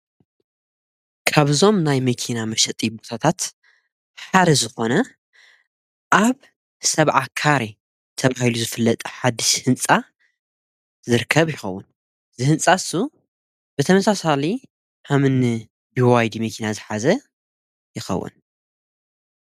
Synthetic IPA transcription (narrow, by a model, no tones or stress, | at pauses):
kʰaβzo̞mnajmɐkʰinamɐʃɐt̪ʼibot̪ʰat̪ʰat̪ | ħad̪ɐzɨxo̞nɐ | ʔaβ | sɐβʕakʰaɾi | t̪ʰɐβahiluzɨfɨlːɐt̪ʼħad̪ɨʃhɨnt͡sʼa | zɨɾɨkʰːɐβjɪxɐwːʊ̰n | zɨhɨnsʼasu | bɨt̪ʰɐmɐsasali | hamɨn | biwajd̪imɐkʰinazɨħazɐ | jɪxɐ̰wːʊ̰n